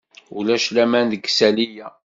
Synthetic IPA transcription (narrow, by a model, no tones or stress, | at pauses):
ulæʃlæmænd̪əɡsælijæ